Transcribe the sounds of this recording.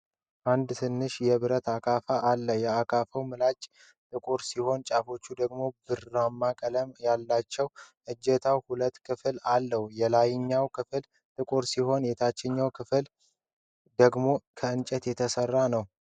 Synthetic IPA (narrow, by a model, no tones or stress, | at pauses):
ʔand̪t̪ʰɨnːɨʃjɛβɨɾət̪akʰafaʔalːəjɛakʰafəwmɨlat͡ʃʼ | t̪ʼɨkʼoɾsiho̞nt͡ʃʼafo̞t͡ʃːud̪əɡmo̞bɨɾːamːakʼələmjalːat͡ʃːɛwʔɨd͡ʒːɛt̪ʰawhulət̪ːkʰɨflalːəhujɛlajɪɲːawkl | t̪ʼɨkʼoɾsiho̞njɛt̪ʰat͡ʃːɛɲːawkʰɨfl | d̪əɡmo̞kʰəɨnt͡ʃʼɛt̪jɛt̪ʰəsərːanəw